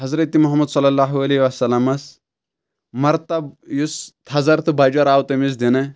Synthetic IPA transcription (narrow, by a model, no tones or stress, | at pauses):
ɦɐzɾɐt̪imuɦɐmːɐd̪sɐlːɐlːaːɦuɐleiʋɐsɐlːɐmɐs | mɐɾt̪ɐbjust̪ʰɐzɐɾt̪ʰɨbɐd͡ʒɐɾaːwt̪ɐmis̬d̪enɐ